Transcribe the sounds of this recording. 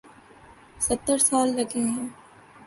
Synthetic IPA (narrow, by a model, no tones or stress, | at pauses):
sɐt̪ːəɾsaːlɾɐɡʰʱeɦɛ̃ː